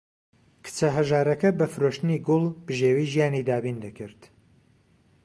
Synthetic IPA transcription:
kʰɨ̥t͡sɐɦɐʒaːɾɐkɐbɐfɨɾoːʃt̪ɨniɡʊlˠbɨʒeːwiːʒijaːnid̪aːbiːnd̪ɐkɨɾt̪

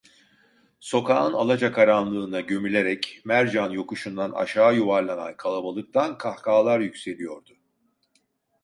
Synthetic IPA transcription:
so̞kʰaːɯnalˠad͡ʒakʰaɾanlˠɯːnaɟø̞mylʲe̞ɾɛcmæɾd͡ʒanjo̞kuʃund̪ana̰ʃaːjuvaɾlˠana̰nkʰalˠabalˠɯk̚t̪ʰankʰahkʰaːlˠaɾjycse̞lʲijo̞ɾd̪ʊ

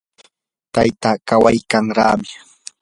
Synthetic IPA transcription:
t̪ajt̪aːkawajkaŋɾa̰ːmɪ

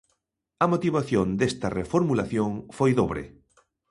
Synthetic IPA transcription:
ɐmot̪iβaθjond̪est̪ɐrefoɾmulaθjoŋfojðoβɾḛ

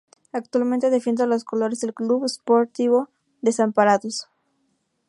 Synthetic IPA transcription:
ak̚t̪walmẽnt̪eðefend̪olosko̞lo̞ɾezðelkluβespoɾt̪iβo̞ | ðe̞sampaɾaðos

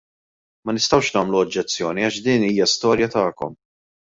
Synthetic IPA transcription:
mɐnɪst̪ɐwʃnɐːmluɔd͡ʒːɛt͡sːjɔːniɐʃd̪iːniːjɐst̪ɔːɾjɐt̪ɐːkɔ̰m

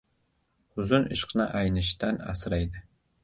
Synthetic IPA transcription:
ʊzʊnɪʃqnɑʔajnɪʃt̪anɑ̰sɾajd̪ɪ

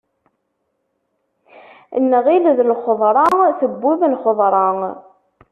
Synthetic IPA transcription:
nːəʁilðlχəðˤɾˤɑθəbːuðlχəðˤɾˤɑ

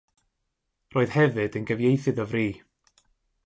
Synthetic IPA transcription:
roːɨð̥hɛvɨdənɡəvjejθɨðɔvriː

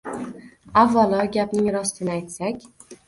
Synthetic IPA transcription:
avːalˠɒɡʲapnɪŋɾɒst̪ʰɪnɪajt̪sakʲ

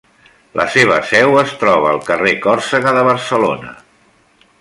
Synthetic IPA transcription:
lʔə̰seβ̞əsɛwəst̪ɾɔβ̞əːlˠkərekɔrsəɣəðəβ̞əɾsəlo̰nə̰

